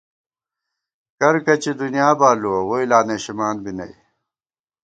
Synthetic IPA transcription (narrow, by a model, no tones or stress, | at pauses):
kɐɾkɐt͡ɕid̪unijaːbaːluɐɣoilaːneɕimaːnbinɐ̰i